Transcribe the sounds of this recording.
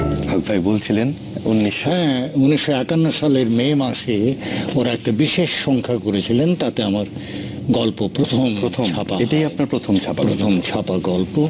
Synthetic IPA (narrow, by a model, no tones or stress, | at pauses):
bʱaɡ̚bʱajbolt͡ɕʰilen | unːiʃɦɛ̃uniʃːoɛkanːoʃaleɾmemaʃeoɾaɛk̚ʈabiʃeʃːɔŋkʰakoɾet͡ɕʰilent̪at̪eamaɾ | ɡɔlpopɾot̪ʰomɾooapaeʈajapnaɾpɾot̪ʰomt͡ɕʰapapɾot̪ʰomt͡ɕʰapaɡɔlpo